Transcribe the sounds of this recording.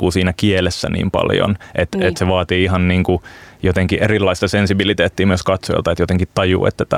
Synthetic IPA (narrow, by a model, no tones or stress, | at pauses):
uːsiːnækielesːæ̰nḭːmpɑ̰ljo̰nʔet̪et̪seʋɑːt̪iːiɦɑnniːŋkujot̪eŋkiʔerilːɑist̪ɑsensibilit̪eːt̪ːiːmyøskɑt̪so̰j̰lt̪ɑet̪jot̪eŋkit̪ɑjṵːḛt̪ːæt̪æ